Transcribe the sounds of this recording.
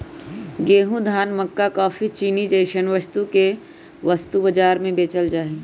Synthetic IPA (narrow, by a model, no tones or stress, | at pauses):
ɡeːɦũd̪ʱaːnməkːakɔːfʰit͡ʃiːnid͡ʒɐɪʃənʋəst̪uke | ʋəst̪ubɐd͡ʒaːɾmẽbeːt͡ʃəld͡ʒaːi